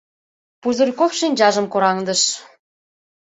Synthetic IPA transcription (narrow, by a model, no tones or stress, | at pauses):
puzŭrʲkofʃinʲd͡ʑɑʒə̆mkoɾɑŋd̪ə̆ʃ